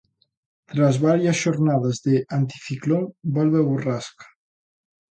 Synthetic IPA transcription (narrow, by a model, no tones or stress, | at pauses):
t̪ɾazβaɾjəsʒoɾnaðazðeʔant̪i̥fiklonbɔlβeβuraskḁ